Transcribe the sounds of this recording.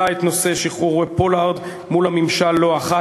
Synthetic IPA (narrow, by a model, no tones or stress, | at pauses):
aet̪no̞se̞ʃiχuʁepolaʁd̪ | mulhamimʃalːo̞aχa